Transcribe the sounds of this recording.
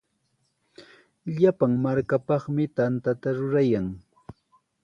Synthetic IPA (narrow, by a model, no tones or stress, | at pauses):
ʎapaŋmaɾkapɑχmɪt̪ant̪at̪aɾʊɾajaŋ